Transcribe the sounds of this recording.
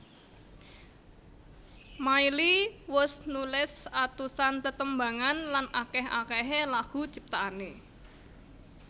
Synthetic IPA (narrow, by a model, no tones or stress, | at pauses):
mailiwʊsnulɪsat̪usant̪ət̪əmba̤ŋanlanʔakɛɦa̰kɛɦelaɡ̥ṳt͡ʃip̚t̪aʔane